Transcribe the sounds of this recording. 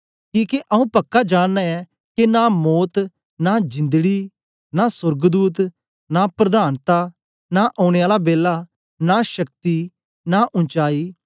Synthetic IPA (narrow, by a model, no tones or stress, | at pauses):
kiːkeʔɐũːpɐkːad͡ʒaːnːɛɛː | kenamɔːt̪ | nad͡ʒɪ̃nd̪ɡiː | naːsʊɾɡd̪uːt̪ | napɾɐd̪aːnt̪aː | naʔɔːʊɽ̃eaːlabeːla | naʃək̚t̪i | naʔʊ̃nt͡ʃaːiː